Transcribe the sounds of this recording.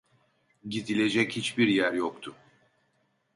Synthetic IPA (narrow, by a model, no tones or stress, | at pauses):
ɟid̪ilʲe̞d͡ʒɛchit͡ʃbiɾjæɾjokt̪ʰʊ